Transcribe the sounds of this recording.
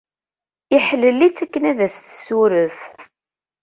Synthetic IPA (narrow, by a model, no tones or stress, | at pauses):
iħəlːəlːit͡sːækːənæðæsθsuɾəf